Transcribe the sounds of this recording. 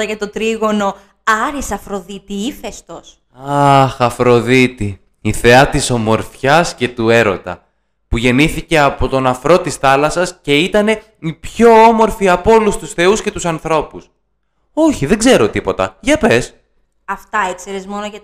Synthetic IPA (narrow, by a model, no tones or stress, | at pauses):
ɐʝɐt̪ot̪ɾiɣo̞no̞ | ɐɾisɐfɾo̞ðit̪iifest̪o̞s | ɐxɐfɾo̞ðit̪i | iθe̞ɐt̪iso̞mo̞ɾfçɐsce̞t̪ue̞ɾo̞t̪ɐ̰ | puʝe̞niθice̞ɐpo̞t̪o̞nɐfɾo̞t̪isθɐlɐsɐsce̞it̪ɐne̞ | ipço̞omo̞ɾfiɐpo̞lust̪usθe̞usce̞t̪usɐnθɾo̞pus | o̞çiðe̞ɡze̞ɾo̞t̪ipo̞t̪ɐʝɐpe̞s | ɐft̪ɐekseɾezmo̞noʝɐ